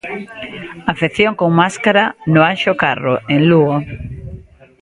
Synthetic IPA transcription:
afeθjoŋkoŋmaskaɾanoanʃokaroeŋluɣo

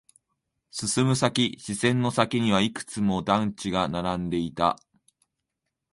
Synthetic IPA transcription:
sɨsɨmɯ̟sakʲiɕisẽ̞nːo̞sakʲiɲ̟iβaikɯ̥t͡sɨmo̞d̪ãɲ̟t͡ɕiɡanaɾãnd̪e̞it̪a̰

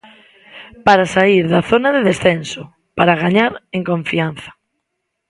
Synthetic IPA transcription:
paɾasaiɾðaθonaðeðesθenso | paɾaɣ̞aɲaɾeŋkõɱfian̟θḁ

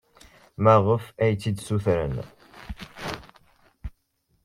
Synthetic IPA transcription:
mæʁəfæjt͡sːid̪suθɾə̰n

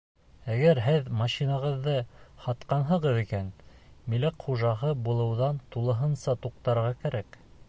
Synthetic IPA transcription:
æɡæɾɦɘðmɑʃinɑʁɤ̆ðːɤhɑt̪qɑnɦɤ̆ʁɤðikæn | milæqχuʒɑɦɤbulˠɤ̆wðɑnt̪ulˠɤ̆ɦɤnsɑt̪uq̚t̪ɑɾʁɑkæɾæk

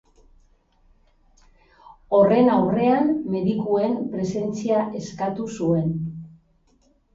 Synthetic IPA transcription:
o̞re̞nawre̞amme̞ðikue̞mpɾe̞se̞nt͡siaʔe̞skat̪usue̞n

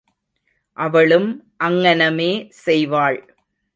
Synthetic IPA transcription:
ʔɐʋɐɭɯmʔɐŋːɐnɐmeːsɛjʋaːɭ

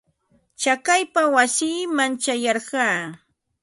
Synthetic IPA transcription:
t͡ʃakajpawasiːmant͡ʃajɑɾɢɑː

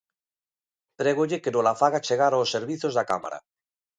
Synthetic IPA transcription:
t̪ɾeɣ̞oʎekenolafaɣat͡ʃeɣaɾaosːeɾβiθozðaka̰ma̰ɾa̰

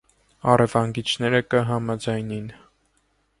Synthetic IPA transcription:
ɑrɛvɑŋɡit͡ʃʰnɛɾəkəɦɑmɑd͡zɑjnin

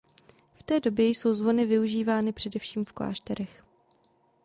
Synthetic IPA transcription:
ft̪ɛːdo̞bjɛjso̞wzvo̞nɪvɪuʒiːvaːnɪpr̥ɛdɛfʃiːmfkla̰ːʃt̪ɛɾɛx

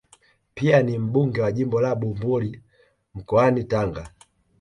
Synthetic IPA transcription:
pianim̩buŋɡɛwaʄimbɔlaɓumbuli | m̩kɔanitaŋɡa

